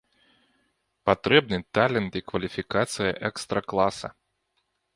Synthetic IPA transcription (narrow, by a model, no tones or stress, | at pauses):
pat̪ɾɛbnɨt̪alʲɛnt̪ikvɐlʲifʲikat̪sɨjɐʔɛkst̪ɾɐklˠasɐ̰